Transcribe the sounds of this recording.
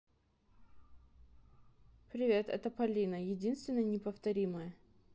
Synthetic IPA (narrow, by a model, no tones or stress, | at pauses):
pɾʲɪvʲe̞t̪ɛ̰t̪əpɐlʲinəjɪdʲinst̪vʲɪnːəjənʲɪpəft̪ɐɾʲiməjə